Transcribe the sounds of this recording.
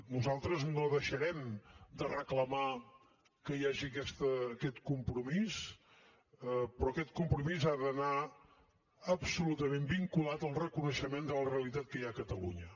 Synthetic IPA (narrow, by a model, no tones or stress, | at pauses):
nuzalˠt̪ɾəznoðəʃəɾɛmd̪ərəkləma | kəjaʒiəkɛst̪əːkɛt̪kumpɾumis | pɾɔkɛt̪̚kumpɾumizaðəna | əbsulut̪əmembiŋkulat̪əlˠrəkunəʃəmend̪ələreəlit̪at̪̚kəjaəkət̪əlṵɲə